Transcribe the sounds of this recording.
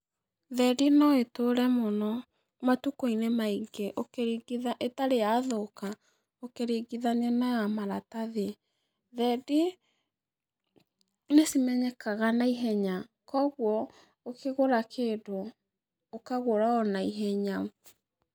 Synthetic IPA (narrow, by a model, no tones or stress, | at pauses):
ðɛdinɔetoɾɛmɔnɔ | matukoinemaiɡeʔokeɾiɡiðaʔetaɾeaːðoka | okeɾiɡiðanɛnajamaɾataðe | ðɛdi | nesimɛɲɛkaɣanaiɦɛɲa | kɔɣwɔ | okʰeɣoɾakʰeːdo | okaɣoɾaɔnaiɦɛɲa